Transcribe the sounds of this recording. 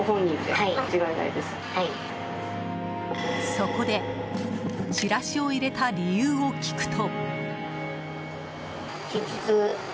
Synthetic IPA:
ɦõ̞ɲːĩnd̪eat͡ɕiɡaina̰id̪esɨ̥hai | so̞ko̞d̪e̞ | t͡ɕiɾaɕio̞iɾe̞t̪aɾʲijɯːo̞kʲʰi̥kɯ̟̥t̪ʰo̞ | kʲit͡ɕit͡sɨ

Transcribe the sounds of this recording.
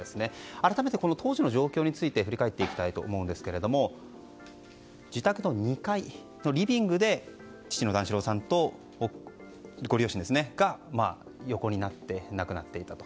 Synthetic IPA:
esɨne̞aɾat̪ame̞t̪e̞ko̞no̞t̪o̞ːʑino̞ʑo̞ːkʲo̞ːɲ̟it͡sɨit̪e̞ɸɯ̟ɾʲikae̞t̪ːe̞ikʲi̥t̪ait̪o̞̰ːmo̞ɯ̃nd̪esɨ̥ke̞ɾe̞d̪o̞mo̞ | d͡ʑit̪akɯ̟no̞ɲ̟ikai | no̞ɾʲibʲĩŋɡɯ̟d̪e̞ | t͡ɕi̥t͡ɕino̞d̪ãɰ̃ɕiɾo̞ːsãnt̪o̞ | ɡo̞ɾʲio̞ɕĩnd̪esɨne̞ɡ̥amaː | jo̞ko̞ɲ̟inat̪ːe̞nakɯ̟nat̪ːe̞it̪at̪o̞̥

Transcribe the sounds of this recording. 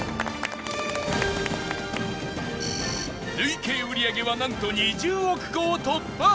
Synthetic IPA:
ɾɯikeːɯ̟ɾʲiaɡe̞βanãŋt̪oɲid͡ʑɨːokɯ̟̥ɡot̪o | a

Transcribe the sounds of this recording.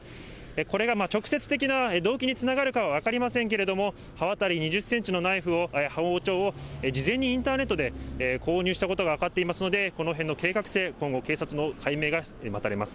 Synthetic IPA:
eko̞ɾe̞ɡamat͡ɕo̞kɯ̟̥se̞t͡sɨ̥t̪e̞kʲinaed̪o̞ːkʲiɲ̟it͡sɨnaɡaɾɯ̟kaβaβakaɾʲimasẽŋk̬eɾe̞d̪o̞mo̞ | haβat̪aɾʲiɲ̟iʑɨsːe̞ɲt͡ɕino̞naiɸɯ̟o̞ehaoːt͡ɕo̞ːoed͡ʑizẽ̞ɲ̟ːiĩnt̪aːne̞t̪ːod̪e̞ko̞ːɲ̟ɨːɕi̥t̪akot̪o̞ɡaːkat̪ːeimasɨno̞d̪e̞ko̞no̞ɦẽ̞nːo̞ke̞ːkakɯ̟̥se̞ːkõ̞ŋɡo̞ke̞ːsat͡sɨnokʰaime̞ːɡa | mat̪aɾe̞masɨ̥

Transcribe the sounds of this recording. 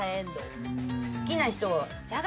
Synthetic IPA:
aẽnd̪osɨ̥kʲinaçi̥t̪o̞a | d͡ʑaɡ

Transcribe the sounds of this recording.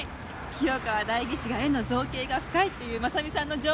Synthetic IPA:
kʲʰijokaβad̪aiɡʲiɕiɡaeno̞zo̞ːke̞ːɡaɸɯ̥kait̪ːe̞jɯ̟ːmasamʲisãnːo̞d͡ʑoː

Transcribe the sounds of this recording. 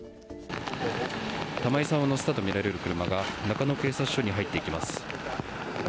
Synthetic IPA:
t̪amaisãɰ̃anosɨ̥t̪at̪o̞mʲiɾaɾe̞ɾɯ̟kɯ̟ɾɯ̟maɡanakano̞ke̞ːsat͡sɨ̥ɕo̞ɲ̟iɦait̪ːe̞ikʲimasɨ̥

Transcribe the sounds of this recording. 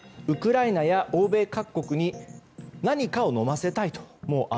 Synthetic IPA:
ɯ̟kɯ̟ɾainajaʔo̞ːbe̞ːkakːo̞kɯ̟ɲ̟i | naɲ̟ikao̞no̞mase̞t̪ait̪o̥mo̞ːʔa

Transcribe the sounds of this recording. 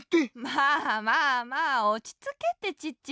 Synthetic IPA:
temamamaot͡ɕi̥t͡sɨket̪e̞t͡ɕitːt͡ɕ

